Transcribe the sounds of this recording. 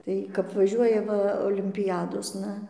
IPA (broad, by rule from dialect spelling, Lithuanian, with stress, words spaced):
ˈtɐɪ kɐp ʋɐˈʒʲuɔjɛ ˈʋɐ oːlʲɪmʲpʲɪˈjæːdoːsnɐ